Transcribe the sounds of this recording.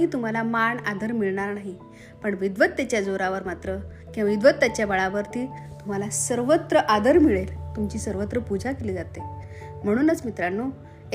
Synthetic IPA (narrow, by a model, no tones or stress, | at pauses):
ɦiːt̪um̤alamaɳad̪ʱəɾmiɭɳaɾnaɦi | pəɳʋid̪ʋət̪ːat͡ɕjad͡zoɾaʋəɾmat̪ɾə | kĩaʋid̪ʋət̪ːat͡ɕjabəɭaʋəɾt̪iːt̪um̤alasəɾʋət̪ɾəʔad̪əɾmiɭelt̪umt͡ɕiːsəɾʋət̪ɾəpud͡ʑʱakeliːd͡zat̪e | m̤əɽ̃uːnət͡smit̪ɾanːo